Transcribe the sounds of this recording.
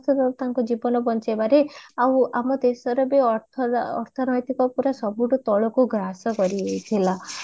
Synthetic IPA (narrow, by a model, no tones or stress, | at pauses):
t̪ʰɔɾt̪aŋkud͡ʒibɔnɔbɔnt͡ʃebaɾeaw̃amɔd̪esɔɾɔbeɔt̪ʰɔɔ̰ɾt̪ʰɔnɔjt̪ikɔpuɾasɔbuʈut̪ɔɭɔkuɡɾaɦsɔkɔɾiɦejt̪ʰila